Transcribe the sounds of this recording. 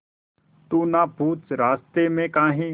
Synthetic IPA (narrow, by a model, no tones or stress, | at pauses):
t̪uːnapuːt͡sɾaːst̪emẽkaːɦĩ